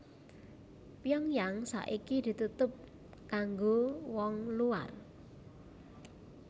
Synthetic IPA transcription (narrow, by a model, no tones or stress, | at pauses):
pjɔŋjaŋsa̰ʔikid̪̥i̤t̪ut̪ʊp̚ | kaŋɡowɔŋlua̰r